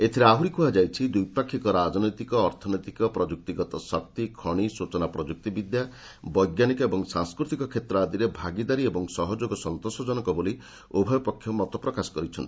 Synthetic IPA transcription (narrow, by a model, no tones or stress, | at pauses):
et̪ʰiɾeaɦuɾikuɦad͡ʒajt͡ʃʰid̪ujpakʰːikɔɾad͡ʒnɔjt̪ikɔːɾt̪ʰɔnɔjt̪ikɔpɾɔd͡ʒuk̚t̪iɡɔt̪ɔsɔk̚t̪ikʰɔɽ̃isut͡ʃɔnapɾɔd͡ʒuk̚t̪ibid̪ja | bɔjɡjanikɔebɔŋsaŋskɾut̪ikɔkʰet̪ɾɔad̪iɾebʱaɡid̪aɾiebɔŋsɔɦɔd͡ʒoɡɔsɔnt̪osɔd͡ʒɔnɔkɔboli | obʱɔjɔpɔkʰːjɔmɔt̪ɔpɾɔkasɔ̥kɔɾit͡ʃʰɔnt̪i